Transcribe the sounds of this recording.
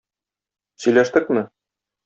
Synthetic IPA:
sɵ̆jlæʃt̪ɘkmɘ

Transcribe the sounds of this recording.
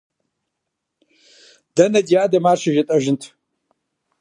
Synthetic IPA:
dɐnɐdijaːdɐmarʂaʒatʼɐʒɪntʰ

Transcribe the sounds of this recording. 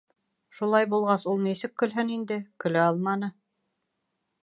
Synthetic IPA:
ʃulˠɑjbulˠʁɑsulˠnisɘkːɵ̆lɦɘnind̪ɘkɵ̆læɑlˠmɑnɤ

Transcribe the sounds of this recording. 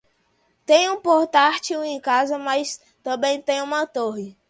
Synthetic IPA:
t̪ẽj̃ũpoɾt̪aɾt͡ʃiũẽj̃kazɐmajs | t̪ɐ̃bẽj̃t̪ẽj̃ũmɐt̪oɦɪ

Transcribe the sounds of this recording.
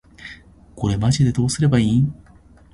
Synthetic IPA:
ko̞ɾe̞maʑid̪e̞d̪o̞ːsɨɾe̞baĩː

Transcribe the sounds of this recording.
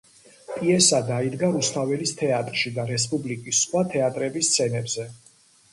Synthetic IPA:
pʼiɛsad̪aid̪ɡaɾust̪ʰavɛlist̪ʰɛat̪ʼɾʃid̪aɾɛs̬pʼublikʼisːχwat̪ʰɛat̪ʼɾɛbist̪sʰɛnɛbzɛ

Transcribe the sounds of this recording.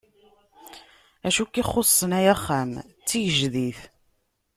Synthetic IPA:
æʃukːiχosˤːənæjæχːæmt͡sːijəʒðiθ

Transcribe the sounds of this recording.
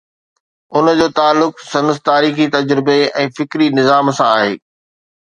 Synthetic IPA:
ʊnəd͡ʑoːt̪aːlːʊksɐ̃nəst̪aːɾiːxit̪ɐd͡ʑɾɪbeɛ̃ːfɪkɾinɪzaːmsãaːɦeː

